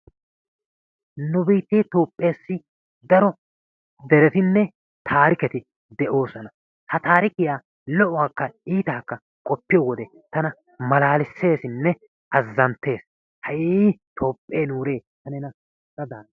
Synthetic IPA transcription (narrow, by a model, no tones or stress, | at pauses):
nʊbiːt̪ːeːt̪oːpʼːe̞ːsːɪ | d̪ɐɾɔ | d̪ɛɾɛt̪ɪnːɛ | t̪ʰaːɾɪkɛt̪ɪ | d̪ɛʔo̞ːsɔnɐ | hɐt̪aːɾɪkɪjaː | lɔʔʊwaːkːɐiːt̪aːkːɐ | kʼɔpːɪjɔwɔd̪ɛ | t̪ɐnɐ | mɐlaːlɪsːe̞ːsɪnːɛ | ɐzːɐnt̪ːe̞ːs | hɐjiːt̪ʰo̞ːpʼːe̞ːnuːɾe̞ːt̪ɐnɛnɐ | ɐd̪aːn